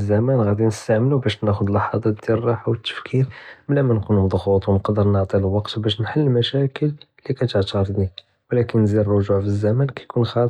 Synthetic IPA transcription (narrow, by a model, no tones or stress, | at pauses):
zːæmænɣæd̪inəst̪aʕməlubæʃnæxʊd̪lɑħɑd̪ˤɑd̪iɾrˤːɑħawət̪ːə̥fkʰiɾmlæmænkunmd̪ˤxut̪ˤwnəqd̪əɾnəʕt̪ˤilwɑqt̪bæʃ̬nħəlːmæʃækəlː | ikæt̪əʕt̪ɑɾd̪ni | wlækənːziɾrˤoʒuʕfizːæmænkæjkunxɑ